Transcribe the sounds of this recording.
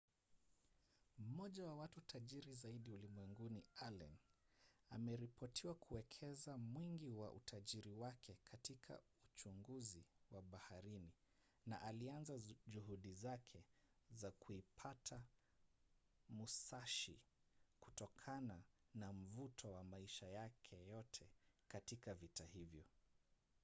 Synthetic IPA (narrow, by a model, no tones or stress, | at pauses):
m̩ɔʄawawatutʰaʄiɾizaiɗiulimwɛŋɡunialɛ̰n | amɛɾipɔtʰiwakʰuwɛkʰɛzamwiŋɡiwaʔṵtʰaʄiɾiwakʰɛkʰatikʰa̰ | ut͡ʃuŋɡuziwaɓahaɾini | naʔalianzaʄuɦuɗizakʰɛ | zakʰuipʰatʰa | musaʃḭ | ku̥tɔkʰana | nam̩vutʰɔwamaiʃajakʰɛjɔtʰɛkatikavitahivjɔ